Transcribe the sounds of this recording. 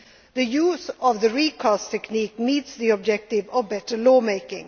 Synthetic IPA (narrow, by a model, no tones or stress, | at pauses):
ðɨjuːzɔvðəɹikʰɔstʰɛknik̚miːtsðiɔb̚d͡ʒɛk̚tɪvəvbɛtəlɔːmeɪkɪ̰̃ŋ